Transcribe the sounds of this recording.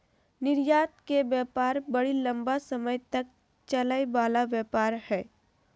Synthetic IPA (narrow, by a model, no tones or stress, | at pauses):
nɪɾjaːt̪̚kebjɛːpaːɾbɐɽilɐ̃mbasɐməjt̪ɐk̚ | t͡ʃɐlajbaːlaʋjɛːpaːɾhɛː